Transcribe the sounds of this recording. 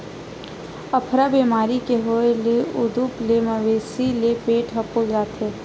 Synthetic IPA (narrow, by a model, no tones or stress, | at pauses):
ɐpʰɾabeːmaːɾikeɦoeleʊd̪uplemɐʋeːsilepeːʈʰɦɐpold͡ʒaːt̪ʰe